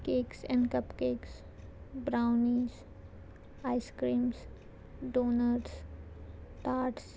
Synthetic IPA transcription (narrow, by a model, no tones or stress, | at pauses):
keːksɛ̃ɳɖkɐpkeːks | bɾaːʊniz | aːɪskɾĩːms | ɖoːnəɾɾs | t̪aːʈs